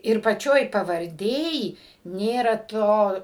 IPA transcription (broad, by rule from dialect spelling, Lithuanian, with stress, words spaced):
ɪr pɐˈt͡ʃʲoːj pɐʋɐrʲˈdʲeːj ˈnʲeːrɐ ˈtoː